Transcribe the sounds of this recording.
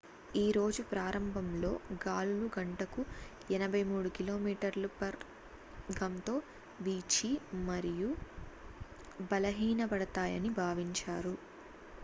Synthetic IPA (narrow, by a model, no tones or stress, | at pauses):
iːɾo̞ːd͡ʒupɾaːɾɐmbʱɐmlo̞ːɡaːluluɡɐɳʈɐku | ɛnɐbʱɐjmuːɽukilo̞ːmiːʈɐɾlupɐɾ | ɡɐmt̪o̞ː | ʋiːt͡ʃimɐɾiju | bɐlɐɦiːnɐbɐɽɐt̪aːjɐ̰nibʱaːʋiɲt͡ʃaːɾu